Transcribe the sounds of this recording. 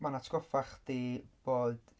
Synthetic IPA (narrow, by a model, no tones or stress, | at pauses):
manatʰɡ̥ɔfaχd̥iːb̥oːd